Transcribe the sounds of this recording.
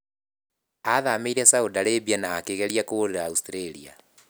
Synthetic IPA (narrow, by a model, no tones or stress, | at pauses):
aðameiɾɛsaodaɾebianaːkeɣeɾiakoɾeɾaustiɾeɾia̰